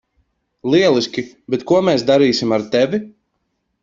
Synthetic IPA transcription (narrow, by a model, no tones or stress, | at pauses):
lˠiɛlˠisʲkʲi | bɛt̪kuɔmeːsd̪aɾiːsimaɾt̪ɛvʲi